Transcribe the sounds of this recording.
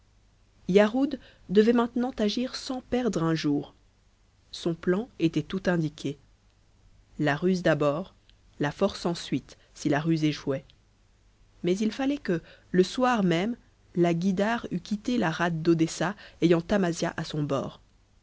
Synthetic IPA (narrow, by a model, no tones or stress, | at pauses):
jaʁud̪ː | əvɛmɛ̃t̪nɑ̃t̪aʒiʁsɑ̃pɛʁd̪ʁɛ̃ʒuːʁ | sɔ̃plɑ̃et̪ɛt̪ut̪ɛ̃d̪ikʲʰe | laʁyzd̪abɔːʁ | lafɔʁsɑ̃sɥit̪ | silaʁyzeʃwɛ | mɛzilfalɛkələswaʁmɛm | laɡʲid̪aʁykʲit̪elaʁat̪̚d̪od̪esaejɑ̃t̪amazjaʔasɔ̃bɔ̰ːʁ